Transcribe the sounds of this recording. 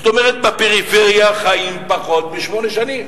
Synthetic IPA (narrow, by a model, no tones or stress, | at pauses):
t̪omeʁet̪̚bapeʁifeʁjaχaimpaχo̞t̪̚beʃmo̞neʃanim